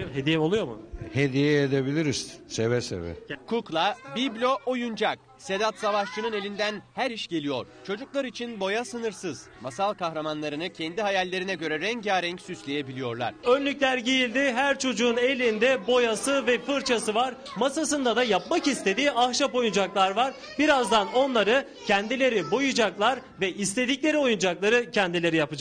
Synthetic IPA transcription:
ɦed̪ijɛolˠujo̞mṵhed̪ijɛed̪ebilʲiɾizsevɛsḛvɛ̰kʰuklˠabiblʲo̞ʔojund͡ʒak̚ | se̞d̪at̪savaʃt͡ʃʰɯnɯne̞lʲind̪ænhæɾiʃɟe̞lʲijo̞̰ɾ̥t͡ʃʰo̞d͡ʒuklˠaɾɯit͡ʃʰinbo̞jasɯnɯɾsɯz̥ | masalˠkaxɾamanlˠaɾɯnɯcʰɛnd̪iɦajalʲːe̞ɾinɛɟø̞ɾɛɾɛɲaːɾɛɲcsyslʲe̞jebilʲijo̞ɾlˠa̰ɾ̝̥ø̞nlʲycʲlʲæɾɟejilʲd̪iɦæɾt͡ʃʰo̞d͡ʒuːne̞lʲind̪ɛbo̞jasɯvɛfɯɾt͡ʃʰasɯvaɾ | masasɯnd̪ad̪ajapmakist̪ʰed̪iːaxʃapo̞jund͡ʒaklˠaɾvaɾ | biɾazd̪ano̞nlˠaɾɯ | cʰɛnd̪ilʲe̞ɾibojud͡ʒaklˠaɾvɛist̪ʰe̞d̪iclʲe̞ɾio̞jund͡ʒaklˠaɾɯcʰɛnd̪ilʲe̞ɾijapɯd͡ʒak

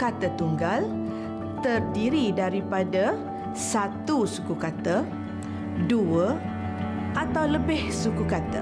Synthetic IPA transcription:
kat̪ət̪uŋɡal | t̪ərdiɾidaɾipada | sat̪usukukat̪ə | duə | ʔat̪awləbɪhsukukat̪ə̰

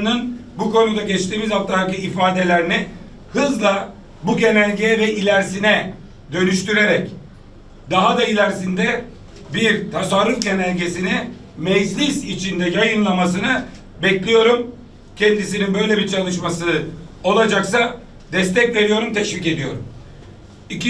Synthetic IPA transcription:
nɯnbukʰo̞nud̪aɟɛt͡ʃt̪iːmizaft̪ʰːaɦakɯifaːd̪e̞lʲæɾni | hɯzlˠa | buɟe̞nælʲɟevɛʔilʲæɾsinɛ | d̪ø̞nyʃt̪yɾe̞ɾɛc | d̪aɦad̪ailʲæɾsind̪ɛ | biɾt̪ʰasaɾːufɟe̞nælʲɟe̞sini | mɛd͡ʒlʲisit͡ʃʰind̪ɛjajɯnlˠamas̬ɯnɯ | bɛclʲijo̞ɾum | cʰɛnd̪isininbø̞jlʲebiɾt͡ʃʰalˠɯʃmasɯo̞lˠad͡ʒaksa | d̪ɛst̪ɛcve̞ɾijo̞ɾumt̪ʰɛʃvic̬e̞d̪ijo̞̰ɾum | ic

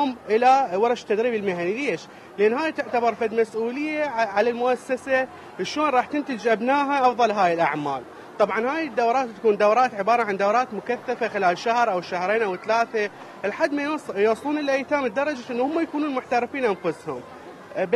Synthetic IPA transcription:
ʊmʔɪlawɑɾˤɑʃt̪ːad̪ɾiːbɪlmahanileːʃ | lʔanːɦaːjt̪ɪʕt̪abɑɾˤfad̪masʔuːlɪjːaʕalalmʊʔasːasa | ʔʃoːnɾˤɑːħt̪ɪnt̪ɪd͡ʒʔabnaːɦaʔɑfðˤɑlɦaːjɪlʔa̰ʕmaːl | t̪ˤɑbʕɑnhaːjɪd̪ːawɾˤɑːt̪tːḁkuːnd̪awɾˤɑːt̪ʕɪbɑːɾˤɑʕand̪awɾˤɑːt̪mʊkaθːafaxɪlaːlʃahɾˤʔawʃahɾeːnʔawɪt̪laːθa | ʔɪlħad̪ːmajusˤuːnɪlʔajt̪aːmɪd̪ːɑɾˤɑd͡ʒaʔɪnːuhʊmːajakuːnuːnmʊħt̪aɾɪfiːnʔanfʊshʊm | b

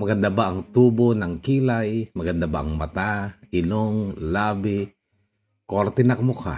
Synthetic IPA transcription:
maɡandabaʔaŋt̪ubunaŋkilajmaɡandabaʔaŋmat̪ainuŋlabi | kɔrt̪inak̚mukʰa̰

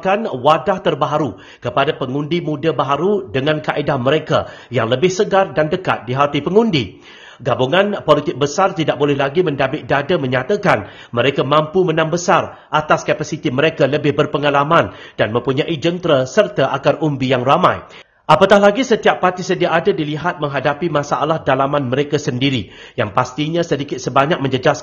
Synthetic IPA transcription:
kanwadaht̪ərbaɦaɾu | kəpadapəŋũndimũdabaɦaɾudəŋãnkaʔedahmə̃ɾeka̰ | jaŋləbɪhsəɡardandəka̰t̪̚diɦat̪ipəŋũndi | ɡabuŋãnpolit̪ɪk̚bəsart̪idaʔ̚bolɛhlaɡimə̃ndabɪt̪̚dadamə̃ɲat̪akan | mə̃ɾekamãmpumə̃nãmbəsar | ʔat̪askapasit̪imə̃ɾekaləbɪhbərpəŋalamãndanmə̃mpuɲãʔid͡ʒənt̪ɾəsərt̪aʔaɡarumbijaŋramã̰j | ʔapat̪ahlaɡisət̪iapːat̪isədiaʔadadiliɦat̪̚mə̃ŋɦadapimãsaʔalahdalamãnmə̃ɾekasəndiɾi | jaŋpast̪iɲãsədikɪt̪̚səbaɲak̚mə̃ɲd͡ʒəd͡ʒas

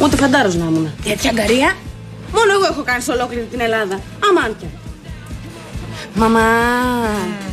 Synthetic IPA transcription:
ut̪efɐnd̪ɐɾoznɐmunɐet̪çɐɡɐɾiɐ | mo̞no̞e̞ɣoexo̞kɐniso̞lo̞kliɾit̪ine̞lɐðɐ | ɐmɐncɐ | mɐmɐ

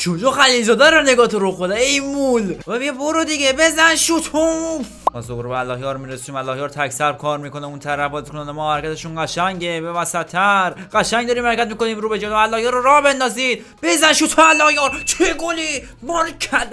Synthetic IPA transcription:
t͡ʃod͡ʒoxælilzɒːd̪æɾeneɡɒːt̪ʰoɾoxod̪æejmulɛmiɟeboɾod̪iɡebezænʃut̪ʰufmɒ̰ːsoboɾobeælːɒːhjɒːɾmiɾesiːmælːɒːhjɒːɾt̪ʰæksæɾb̚kʰɒːɾmikonæunt̪ʰæɾæfbɒːzikʰonænemɔːhæɾekʲʰæt̪ʰeʃunɢæʃæŋɟebevæsæt̪ʰːæɾɢæʃæŋɡd̪ɒɾiːmhæɾecʰʲæt̪̚miːkoniːmɾuːbed͡ʒɔːælːɒːhjɒːɾoɾɒːhbe̞nd̪ɒːziːd̪ | b̥ezænʃut̪ʰumælːɒːhjɒɾt͡ʃ̪ʰeɡoli | mɒɾkʰæ

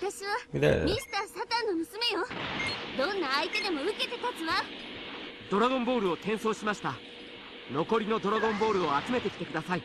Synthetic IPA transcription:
at̪aɕiβamʲisɨ̥t̪asat̪ãnːomɯ̟sɨme̞jod̪õ̞nːaːit̪e̞d̪e̞mo̞ɯ̟ke̞t̪e̞t̪at͡sɨβa | d̪o̞ɾaɡõ̞mbo̞ːɾɯ̟ot̪ẽ̞ɰ̃so̞ːɕimaɕi̥t̪a | no̞ko̞ɾʲino̞d̪o̞ɾaɡõ̞mbo̞ːɾɯ̟oat͡sɨme̞t̪e̞kʲi̥t̪e̞kɯ̟d̪asai

